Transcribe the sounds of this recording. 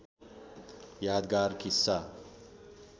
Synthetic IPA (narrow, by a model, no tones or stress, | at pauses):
jaːd̪ɡaːɾkisːa